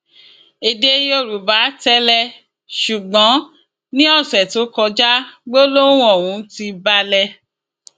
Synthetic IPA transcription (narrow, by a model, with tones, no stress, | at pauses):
e˨˧de˧jo˦˨ɾu˨ba˨˦tɛ˦lɛ˧ | ʃu˨ɡ͡bɔ̃˨˦ | nĩ˦ɔ˦˨sɛ˨to˨˦kɔ˧d͡ʒa˦ɡ͡bo˦lo˦ũ˦ɔ˦˨wũ˨˧˦ti˧ba˧lɛ˧